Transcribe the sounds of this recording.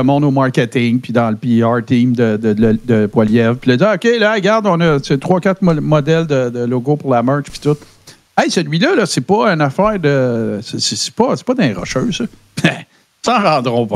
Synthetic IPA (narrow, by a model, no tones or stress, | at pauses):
əmɔ̃d̪omɑɹkʲet̪ɪŋpid̪ɑ̃ləpiɑɹt̪ĩmd̪əd̪əəd̪əpwaljɛvpiləd͡ziʁokʲelʌɛɡaʁd̪ɔ̃nʌset̪ʁwɑːkʲat̪mmɔd̪ɛld̪əd̪əloɡopʊʁlamœ˞t͡ʃpi̥t̪ʊt̪̚ | ɛjsəlɥilʌlʌsepɔɛnafæːʁd̪əsesese̥pʌse̥pʌd̪ɛ̃ʁɔ̰ʃø˞sʌ | mɛ | sɑ̃ʁɑ̃d̪ʁɔ̃p